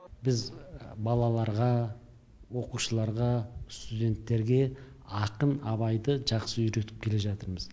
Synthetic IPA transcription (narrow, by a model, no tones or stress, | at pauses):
bɪzbɑlˠɑlˠɑɾʁɑ | wo̞quʃəlˠɑɾʁɑst̪ud̪ʲe̞nt̪ːe̞ɾɡʲe̞ | ɑqənɑβɑjd̪əʒɑqsəʏɾe̞t̪ɪ̥p̚kʲʰe̞le̞ʒɑt̪əɾməz